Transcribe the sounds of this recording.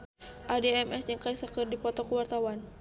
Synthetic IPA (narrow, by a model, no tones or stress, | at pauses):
ʔadeɛmʔɛsjaŋkaisakɨrdipɔt̪ɔkəwart̪awan